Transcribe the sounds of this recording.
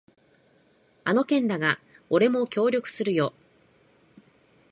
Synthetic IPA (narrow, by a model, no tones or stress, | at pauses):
ano̞kẽ̞nd̪aɡa | oɾe̞mo̞kʲo̞ːɾʲo̞kɯ̟̥sɨɾɯ̟jo̞ː